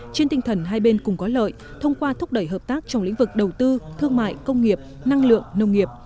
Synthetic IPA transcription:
t͡ɕe˧nt̪ï˧ŋ̟t̪ʰə˨˩nɦaː˧jɓe˧nkʊ̰˧˩ŋ͡mkɔ˨˦lə̰˧˨j | t̪ʰə˧wŋ͡mkwaː˧t̪ʰʊ˦˥k͡p̚ɗə˧˩jɦəː˨˩p̚t̪aː˦˥k̚t͡ɕɔ˧wŋ͡mlḭ̈˧˥ŋ̟vɨ˨˩k̚ɗə˨˩wt̪ɨ˧t̪ʰɨ˧əŋma̰ː˧˨jkə˧wŋ͡mŋi˨˩əp̚ | na˧ŋlɨ̰˧˨əŋnə˧wŋ͡mŋi˨˩əp̚

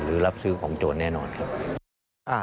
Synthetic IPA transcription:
ɾɯː˩˦la˦˥p̚sɯː˦˥kʰɔː˩˦ŋt͡ɕoː˨˧˩n̚nɛː˥˩nɔː˧nkʰa˦˥ | ʔaː˧˩

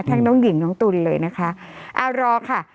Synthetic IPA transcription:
t̪ʰaː˦˥ŋnɔː˦˥ŋji˨˩˦ŋnɔː˦˥ŋt̪u˧llɤː˧jna˦˥kʰa˦˥ʔa˧˨˩wɾɔː˧kʰa˥˩

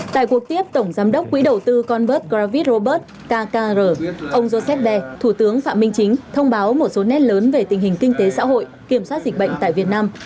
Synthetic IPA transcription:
t̪a̰ː˧˨jkwu˨˩ək̚t̪i˦˥əp̚t̪ə˧˩wŋ͡mzaː˨˦mɗə˦˥wk͡p̚kːwḭ˧˥ɗə˨˩wt̪ɨ˧kɔ˧nɓəː˦˥t̚ɣɾaː˧vi˦˥t̚zo˧ɓəː˦˥t̚ | kaː˧kaː˧zəː˧˩ʔə˧wŋ͡mzo˧sɛ˦˥p̚ɓɛ˧t̪ʰu˧˩t̪ɨ˨˦əŋfa̰ː˧˨mï˧ŋ̟t͡ɕï˨˦ŋ̟t̪ʰə˧wŋ͡mɓaː˨˦wmo˨˩t̚so˨˦nɛ˦˥t̚ləː˨˦nve˨˩t̪ï˨˩ŋ̟hi˨˩ŋ̟kï˧ŋ̟t̪e˨˦sa̰ː˧˥ɦo̰˧˨jki˧˩əmswaː˦˥t̚zï̟˨˩ɓə̰˧˨jŋ̟t̪a̰ː˧˨jvi˨˩ət̚naː˧m

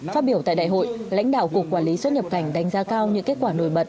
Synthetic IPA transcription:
faː˦˥t̚ɓi˧˩əwt̪a̰ː˧˨ɗ̰ːjɦo̰˧˨jla̰˧˥ŋɗa̰ː˧˨wku˨˩əkwaː˧˩li˨˦swə˦˥t̚ɲə˨˩p̚ka˧˩jŋ̟ɗa˧˩jŋ̟zaː˧kaː˧wɲɨ̰˧˥ŋke˦˥t̚kwaː˧˩no̰˧˩jɓə˨˩t̚

